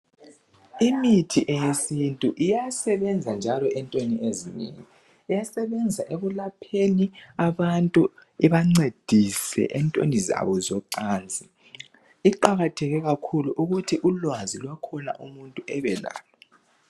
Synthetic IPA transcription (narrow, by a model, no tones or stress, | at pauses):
imitʰiʔɛjesintʼuʔijasɛβɛnd͡zʱand͡ʒʱalɔʔɛntʼoniʔezinḛːŋiː | jasɛβɛnd͡zʱaʔeβulapʰeniaβantʼuɛβaŋ͡ǀed̥ʱisɛ̰ʔɛntʼo̰niza̰βɔzɔǀaːnd͡zʱi | iǃaɣatʰɛɣɛɣakʰuluʔuɣutʰiʔulwazilwakʰɔna̰ʔṵmuntʼuʔɛβɛla̰ːlɔ